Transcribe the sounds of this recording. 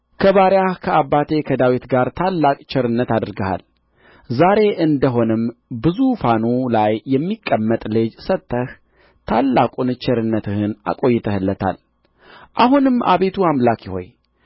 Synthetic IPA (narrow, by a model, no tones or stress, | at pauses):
kʰəβaɾjahkʰəabːat̪ʰe̞kʰəd̪awit̪ɡaɾt̪ʰalːakʼt͡ʃʰɪɾɨnːət̪ad̪ɾɡəha̰l | zaɾe̞ʔɨnd̪əɦo̞nɨmbɨzufanulajːɛmːikʼːəmːət̪ʼlɨd͡ʒsət̪ʰːəh | t̪ʰalːakʼunɨt͡ʃɪɾɨnːət̪ʰɨhɨna̰kʼo̞jːɪt̪ʰəhɨlːət̪ʰa̰l | ʔaɦunɨma̰βe̞t̪ʰuamlakjiho̞̰j